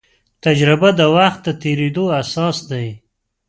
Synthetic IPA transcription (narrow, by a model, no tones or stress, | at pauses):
t̪ad͡ʒɾɪbad̪əwaxt̪̚d̪ət̪eɾed̪oasɑsd̪aj